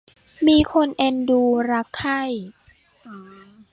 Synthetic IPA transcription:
miː˧kʰo˧nʔe˧nduː˧ɾa˦˥kʰːa˥˩j

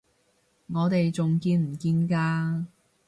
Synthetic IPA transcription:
ŋɔː˨˧t̪e˨jt͡sʊ˨ŋkiː˧nm̩˨˩kiː˧nkaː˧

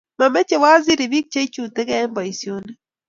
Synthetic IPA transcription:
ma˨mɛ˦t͡ʃe˨wa˦zi˦ɾi˨bi˦k̚t͡ʃe˦i˦t͡ʃu˨te˦kɛ˦mbɔ˨i˨sjo˦nɛ˦

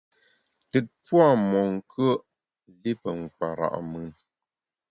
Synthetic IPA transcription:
tɨ˨t̚pwa˦˨mɔ˨ŋ̩˨kʰə˦ʔ | li˦pə˨ŋ˨k͡pa̰˨ɾa̰˨ʔmɨ˨n

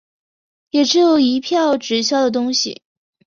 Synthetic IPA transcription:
jɛ˨˩ʈ͡ʂɻ̩˧˥jo˨˩ʊi˧˥pʰjɑ˥˩ʊʈ͡ʂɻ̩˧˥ɕ̬jɑ˥ʊd̪ə˨t̪̬ʊ˥ŋɕḭ˨˩

